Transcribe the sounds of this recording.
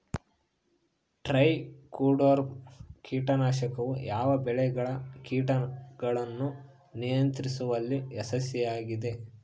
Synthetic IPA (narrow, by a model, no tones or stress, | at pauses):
ʈɾɐjkuːɖɐɾkiːʈɐnaːʃɐkɐʋujaːʋɐbɛɭɛɡɐɭɐkiːʈɐɡɐɭɐnːu | nijɐnt̪ɾisuʋɐlːiɛsɐsjɐjaːɡid̪e̞